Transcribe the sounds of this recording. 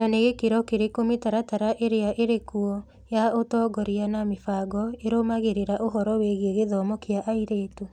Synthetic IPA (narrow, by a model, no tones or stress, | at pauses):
naneɣekeɾɔkeɾekomitaɾataɾaʔeɾeaʔeɾekuɔ | jaotɔɡɔɾianamefaɡɔeɾomaɣeɾeɾaʔoɦɔɾɔweɣeɣeðɔmɔkeaʔaiɾeːto